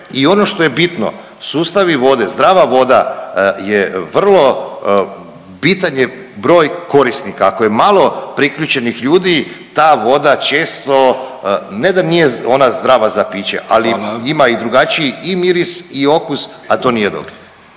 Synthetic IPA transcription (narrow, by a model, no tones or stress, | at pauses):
io̞no̞ʃt̪oje̞bit̪no̰ | suːst̪aʋiʋo̞d̪e̞zd̪ɾaːʋaʋo̞d̪ajeʋr̩lˠo̞ | bit̪aɲe | bɾo̞ːjko̞ɾist̪nikaːkoje̞malˠo̞pɾikʎʲuːt͡ʃenixʎuːd̪i | t̪aːʋo̞d̪at͡ʃe̞ːst̪o̞ | ned̪anijeo̞nazd̪ɾaʋazapiːt͡ʃḛʔa̰liimaid̪ɾuɡat͡ʃiiimiɾisio̞kusat̪o̞nijed̪o̰bɾe